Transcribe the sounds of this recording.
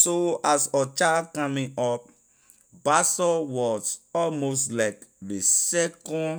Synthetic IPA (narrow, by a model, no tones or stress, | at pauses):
soasɔt͡ʃakãmĩŋɔp̚ | basɔwɔsɔlmostlaɪkðesɛkɔ̃n